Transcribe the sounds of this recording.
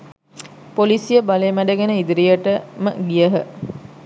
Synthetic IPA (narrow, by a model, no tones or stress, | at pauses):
polisijəbaleːmæɖəɡenəid̪iɾijəʈəmə̰ɡijəɦə